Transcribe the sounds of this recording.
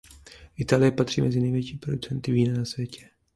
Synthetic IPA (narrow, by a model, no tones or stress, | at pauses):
ʔɪt̪aːlɪjɛpat̪r̝̥ḭːmʔɛzɪnɛjvjɛt͡ʃiːpɾo̞dut͡sɛnt̪ɪviːnanasvjɛcʰɛ̥